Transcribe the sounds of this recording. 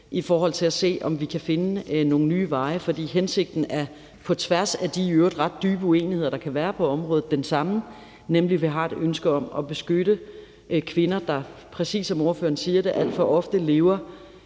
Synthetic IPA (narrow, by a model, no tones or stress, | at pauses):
ʔifɒːɦɒ̽l̰t͡sʰe̝læse̝̰ːɒ̽mʋikʰæfe̝nəno̝ːn̩nyːʋɑ̈ɪfɒ̽d̥ḭːɦense̝ɡ̥̚d̥n̩æɐ | pʰɒ̽t͡sʰʋæɐsæd̥iøɐd̥ʁɑ̈d̥ːyːb̥əuḛːnihe̝ð̰ˠɐd̥ɑ̈kʰæʋæːɐpʰɒ̽ɒ̽mʁɔ̽ːð̩ˠd̥ensɑ̈mə | nemliʋiɦɑ̰̈e̝d̥ønsɡ̥əɒ̽mɒ̽b̥e̝sɡ̥øɾ̥ə | kʰʋe̝nɐd̥ɑ̈pʰʁɛsḭːsɒ̽moɐfø̰ɐnsiːɐɾeʔæl̰d̥fɒ̽ʔɒ̽fd̥əle̝ʊɐ